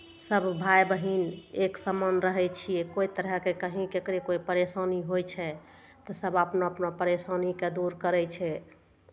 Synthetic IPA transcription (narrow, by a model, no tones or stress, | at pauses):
səbʱbʱajbəɦineksəmənɾəɦɛt͡ʃʰijekoit̪əɾəɦkekəɦĩkekɾekoipəɾesaniɦojt͡ʃʰɛ | t̪ɔsəbapnoəpnopəɾesaniked̪uɾkəɾɛt͡ʃʰɛ